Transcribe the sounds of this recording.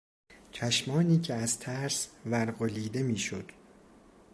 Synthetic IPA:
t͡ʃʰæʃmɒːniːcʰeæzt̪ʰæɾsvæɾɢoliːd̪e̞miːʃo̰d̪̥

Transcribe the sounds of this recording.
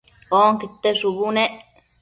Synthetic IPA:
oːŋkit̪ːesubuneʔ

